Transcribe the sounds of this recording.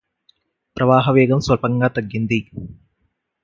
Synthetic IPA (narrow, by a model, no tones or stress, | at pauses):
pɾʔɐʋaːɦɐʋeːɡɐmsʋɐpɐŋɡaːt̪ɐɡːend̪i